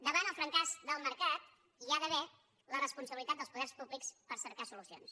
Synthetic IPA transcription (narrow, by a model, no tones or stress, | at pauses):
d̪əβanəlˠfɾəŋkazd̪əlˠməɾkat̪̚ | iaðəβɛ | lərəspunsəβilit̪at̪̚d̪əlˠspuðɛrspuβlikspəɾsəɾkasulusio̰ns